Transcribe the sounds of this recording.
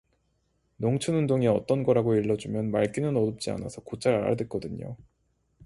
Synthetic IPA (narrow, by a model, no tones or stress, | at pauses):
noŋt͡ɕʰunundoŋiʌt͈ʌnɡʌɾaɡoiɭːʌd͡ʑumjʌnmaɭk͈inɯnʌdop̚t͡ɕ͈ia̰na̰sʰʌkot͡ɕ͈ʰaɾa̰ɾa̰dwek͈ʌdɯɲo̰